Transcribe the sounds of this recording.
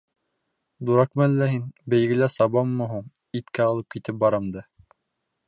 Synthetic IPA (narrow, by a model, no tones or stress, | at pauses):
d̪uɾɑkmælːæɦinbɘ̆jɡɘ̆læsɑβɑmːɤɦuɴ | it̪kæɑlˠɤp̚kit̪ɘp̚bɑɾɑmd̪ɑ